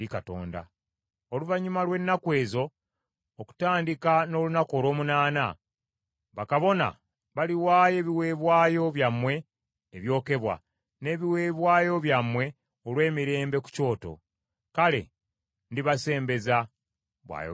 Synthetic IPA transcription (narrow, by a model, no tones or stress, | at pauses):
dikato̞̰ːnda̰ | oluvaɲːumalwe̞nːakwe̞ːzo̞ː | ku̥taːndikano̞ːlunako̞lo̞ːmunaːna | βakaβo̞na̰ | βaliwaːje̞ːβiwe̞ːβwaːjo̞βjamːwe̞ː | βjo̞ːke̞βwa̰ | ne̞ːβiwe̞ːβwaːjo̞βjamːwe̞ | olwe̞ːmiɾe̞ːmbe̞ku̥co̞ːto̞̰ | kale̞̰ | ndiβase̞ːmbe̞za | βwa̰ːj̰